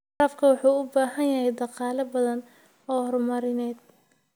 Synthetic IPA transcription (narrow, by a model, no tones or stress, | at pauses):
ɾɐfkʰɐwɑħuːʊbaːɦɐnjɐɦɛjd̪ɑqɑːlɐbɐðɐn | ɔːhɔrmɐɾɪnɛːd̪̚